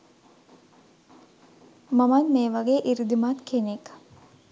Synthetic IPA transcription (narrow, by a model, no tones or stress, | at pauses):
mamanmeːʋaɡeːʔiɾid̪imat̪kʰenek